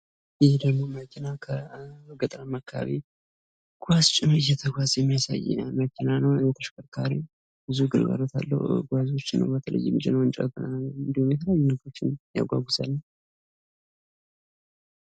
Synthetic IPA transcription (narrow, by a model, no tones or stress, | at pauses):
hd̪əɡmo̞məkʰɪnakʰəɡət̪ʼɾamakʰːa̰βi | ɡ̥ʷast͡ʃʼɪnojɛt̪ʰəɡʷazjɛmːijasa̰jməkʲʰinanəwot̪ʰəʃkʰəɾkʰaɾi | bɨzuɡɨɾɡa̰ɾot̪ʰa̰lːə̰hɡʷazot͡ʃːɪnːə̰wbət̪ʰələ̰jːɪmɨt͡ʃʼenəwɨnt͡ʃʼə̰ɡ̪ɨnallːəwɨnd̪ihumjɛt̪ʰəleajːunəɡo̞t͡ʃːɪnja̰ɡʷaɡʷʊzalːəw